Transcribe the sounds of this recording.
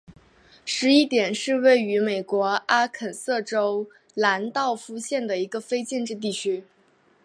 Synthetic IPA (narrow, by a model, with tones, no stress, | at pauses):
ʂɻ̩˧˥i˥t̪jɛ˨˩nʂɻ̩˥˧we˥˩ɪy˧˥me˨˩ɪkwɔ˧˥a˥kʰə˨˩nsɤ˥˩ʈ͡ʂo˥ʊ | la˧˥nt̪ɑ˥˩ʊfu˥ɕjɛ˥˩nd̪ə˩i˧˥ɡə˧fe˥ɪt͡ɕjɛ˥˧nʈ͡ʂɻ̩˥˧t̪̬i˥˩t͡ɕʰy˥